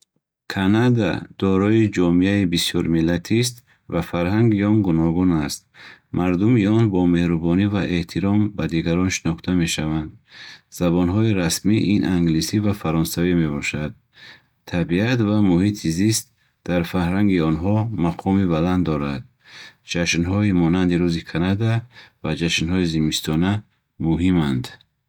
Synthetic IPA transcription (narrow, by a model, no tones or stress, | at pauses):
kʰanad̪a̰d̪̥ɔɾɔid͡ʒɔmiaibisjɔɾmilat̪ʰist̪ | vafaɾɦaŋɡiɔnɡunɔɡunast̪̚maɾd̪umiɔnbɔme̞hɾubɔnivaʔe̞ht̪ʰiɾɔmbad̪iɡaɾɔnʃinɔχt̪ʰame̞ʃavand̪z̥abɔnɦɔiɾasmiʔinʔaŋɡlisivafaɾɔnsavime̞bɔʃad̪̚ | t̪ʰːabiat̪vamuhit̪ʰizist̪̚ | d̪̥aɾfahɾaŋɡiɔnɦɔmaqʰɔmibaland̪ːɔɾad̪̚ | d͡ʒaʃnɦɔimɔnand̪iɾuzikʰanad̪avad͡ʒaʃnhɔizimist̪ʰɔna | muɦimand̪